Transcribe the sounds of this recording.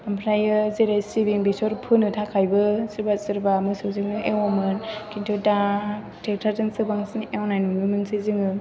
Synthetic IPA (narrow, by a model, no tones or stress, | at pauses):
ampʰɾajɯzeɾajsibiŋbesɔɾpʰɯnɯtʰakʰajbɯsɯɾbatsɯɾbamɯsɯzɯŋnɯʔewɔmɯnkʰintʰota | tʰek̚tʰatɯŋsɯbaŋsɯnewnajnunɯmɯnsɯzɯŋɯ